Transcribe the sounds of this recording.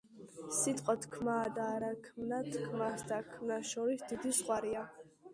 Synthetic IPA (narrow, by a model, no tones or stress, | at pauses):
sit̪ʼqʼɔt̪kʰmaːd̪aːɾakʰmnat̪kʰmasd̪akʰmnaʃɔɾisd̪id̪isχʼwaɾia